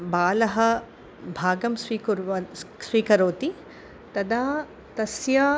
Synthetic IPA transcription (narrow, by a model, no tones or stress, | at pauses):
baːlɐɦɐ̆ | bʱaːɡɐmsʋiːkuɾɐsʋiːkɐɾoːt̪i | t̪ɐd̪aː | t̪ɐsjaː